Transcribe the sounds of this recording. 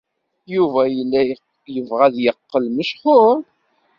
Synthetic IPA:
juvæjəlːæ | jəvʁæðjəqːəlməʃχʊɾˤ

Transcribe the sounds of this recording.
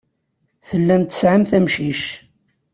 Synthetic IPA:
θəlːæmt̪ːə̥sʕəmθæmʃiʃ

